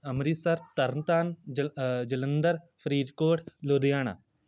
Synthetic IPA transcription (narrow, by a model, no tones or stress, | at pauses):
ɐmɾisɐɾt̪ɐɾnt̪aːn | d͡ʒɐlənd̪əɾ | pʰɾiːd̪koːʈloːd̪ijaːna̰ː